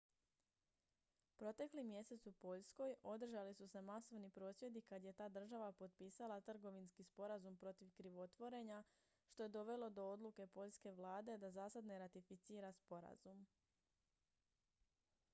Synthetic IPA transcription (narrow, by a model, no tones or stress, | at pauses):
pɾo̞t̪e̞klimje̞se̞t̪supo̞ʎsko̞jo̞d̪r̩ʒalisuse̞maso̞ʋnipɾo̞ːsʋje̞d̪ikad̪je̞t̪aːd̪r̩ʒaʋapo̞t̪̚piːsalˠat̪r̩ɡo̞ʋinskispo̞ɾazumpɾo̞t̪iʋkɾiʋo̞t̪ʋo̞ɾe̞ɲa | ʃt̪o̞je̞d̪o̞ʋe̞lo̞d̪o̞o̞d̪lˠuke̞po̞ʎske̞ʋlˠaːd̪e̞d̪azaːsad̪neɾat̪ifit̪siːɾaspo̞ɾa̰zum